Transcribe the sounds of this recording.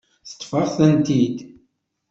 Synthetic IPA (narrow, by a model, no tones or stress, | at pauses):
θə̥t̪ˤːfəʁθənt̪id̪